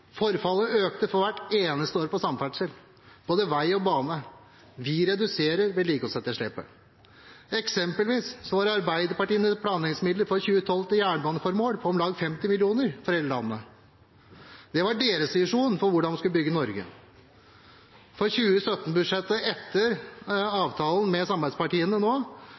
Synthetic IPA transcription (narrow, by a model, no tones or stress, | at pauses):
fɔɾfɑlːəøːk̚t̪əfɔɾʋæʈːeːnəst̪əoːɾpɔsɑmːfæʈʂəl | b̥oːd̪əʋæɪɔbɑːnə | ʋɪɾɛd̪ʉseːɾəɾʋɛliːkɔsɛt̪ːəʂɭɪːpə̰ | ɛksɛmpəlʋiːssɔʋɑɾɑɾbæɪd̪əɾpɑʈiːənət̪pʰlɑːnɪŋsmɪd̪ləɾfɔɾçʉːət̪ʰɔlt̪ɪjæːɳəbɑːnəfɔɾmoːɽpʰɔɔmlɑːɡfɛmt̪ɪmɪlɪuːnəɾfɔɾɛləɭɑnːə | d̪̥ɛʋɑɖeːɾəsɪʂuːnfɔɾʋʊɖɑnʋɪskʉləbʏɡːənɔɾɡə̰ | fɔɾçʉːəsœt̪ːn̩bʉd̪ʂɛt̪ːəɛt̪ːəɾɑːʋt̪ʰɑːlən̩mɛsɑmbæɪd̪spɑʈiːənənoː